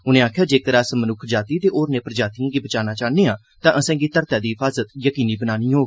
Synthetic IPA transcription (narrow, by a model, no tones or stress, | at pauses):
ʊnẽːaːkʰjaːd͡ʒeːkəɾəsmənʊkʰd͡ʒaːt̪iːt̪eːʔoːɾneːpəɾəd͡ʒaːt̪iãːɡiːbət͡ʃaːnaːt͡ʃaːneːãː | t̪ãːʔəsɛ̃ːɡiːt̪əɾt̪aːd̪iːɦɪfʰaːzət̪jəkiːniːbənaːnĩːɦoːɡiː